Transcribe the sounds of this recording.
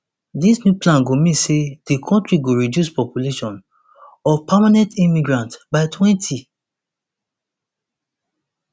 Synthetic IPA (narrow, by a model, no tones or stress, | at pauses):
disnjuplãnɡomĩsed̥ikʰɔ̃ntɹiɡoɹidjuspɔpjuleʃɔ̃n | ɔpʰamanɛ̃ntĩmiɡɹãntbaɪtʰwɛ̃ntʰi